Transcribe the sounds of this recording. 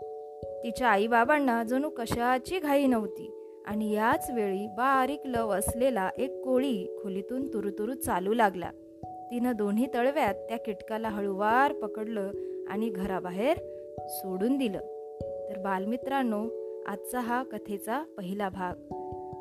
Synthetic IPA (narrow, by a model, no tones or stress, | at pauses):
t̪it͡ɕjaːibabaɳːad͡zəñuːkəɕat͡ɕiːɡʱaiːnəʋt̪ḭː | a̰ɽ̃ijat͡sʋeɭiːbaɾikləʋəslelaʔekːoɭiːkʰolit̪uːnt̪uɾut̪uɾuːt͡saluːlaɡla̰ | t̪inəd̪on̤iːt̪əɭʋjat̪ːjakiʈkalaɦəɭuʋaɾpəkəɽləːa̰ɽ̃iɡʱəɾabaɦeɾ | soɽuːnd̪ilə̰ː | t̪əɾbalmit̪ɾanːoa̰t̪t͡saɦakət̪ʰet͡sapəɦilabʱaɡ